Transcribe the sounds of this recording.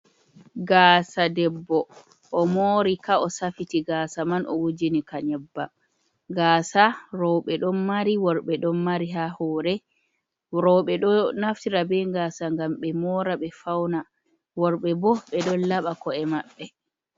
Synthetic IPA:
ɡaːsadɛbːɔ | ʔɔmoːɾikaɔsafitiɡaːsamanʔɔ̰wud͡ʒinikaɲɛbːa | ɡaːsaɾɔwɓɛɗɔnmaɾiwɔɾɓɛɗɔnːaɾiɦahɔːɾɛ | ɾɔɓɛɗɔnaftiɾabɛŋɡaːsaŋɡamɓɛmɔːɾaɓɛfawna | wɔɾɓɛbɔɓɛɗɔnlaɓakɔɛmaɓːɛ

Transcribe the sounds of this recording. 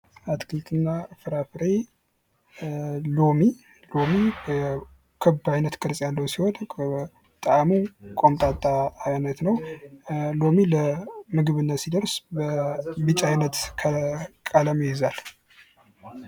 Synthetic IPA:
at̪kʰɨlt̪ʰɨnːafɨɾafɨɾe | lomi | lomi | kʰɨbajnət̪kʰəɾsʼjalːəwsiho̞n | t̪ʼaamukʼo̞mt̪ʼat̪ʼːaːjnət̪nəw | lomiləmɨɡɨβɨnːasid̪əɾsbəbɨt͡ʃʼajnət̪kʰəkʼaləmjjɪzal

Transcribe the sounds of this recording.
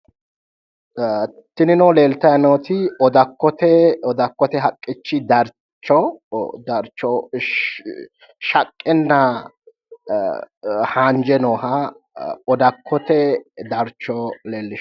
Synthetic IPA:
t̪ːɪnɪnɔːle̞ːlt̪ɐjɐnoːt̪ɪɔd̪ɐkːɔt̪ɛɔd̪ɐkːɔt̪ɛɦɐkʼːɪt͡ʃːɪd̪ɐɾ | t͡ʃːɔd̪ɐɾt͡ʃːɔ | ʃɐkʼːɛnːɐ | haːnd͡ʒɛnɔːɦɐ | ɔd̪ɐkʰːɔt̪ɛd̪ɐɾt͡ʃːɔleːlːɪʃ

